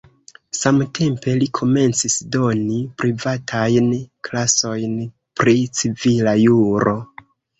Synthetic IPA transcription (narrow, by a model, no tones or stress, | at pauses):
samtʰe̞mpe̞likʰo̞me̞nt͡sisdo̞nipɾivatʰajnklaso̞jn | pɾit͡sivilajuɾʔo̞